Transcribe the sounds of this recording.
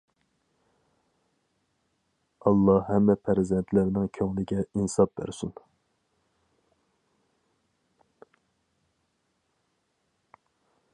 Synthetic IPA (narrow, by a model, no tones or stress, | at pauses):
ɑlˠːɑhɛmːɛpʰæɾzɛnt̪ʰlæɾnɪŋkʲʰøŋlɪɡʲɛinsɑp̚bæ̰ɾsun